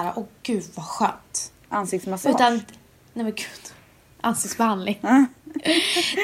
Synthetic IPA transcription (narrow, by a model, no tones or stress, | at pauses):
ɾa̰ʔɔɡ̥ʉ̟ːd̪vaɧœ̰ːnt̪ | ʔansɪkt̪smasʉ̟ːt̪an | nɛmɛnɡʉ̟ːd̪̥ | ʔa̰nsɪkt̪sbɛhand̪lɪŋ